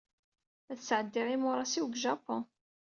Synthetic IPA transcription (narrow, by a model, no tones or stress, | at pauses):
æθsʕəd̪ːiʁimʊɾˤɑsiwɡʒɑpõ